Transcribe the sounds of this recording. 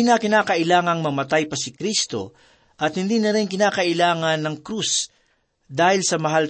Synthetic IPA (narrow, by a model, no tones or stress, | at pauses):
nɐkɪnaːkɐʔɪlaːŋɐŋmɐmɐt̪ajpɐsɪkɾist̪o̞̰ | ʔɐt̪hɪnd̪iːnɐɾɪŋkɪnaːkɐʔɪlaːŋɐnːɐŋkɾus | d̪aːhɪlsɐmɐɦal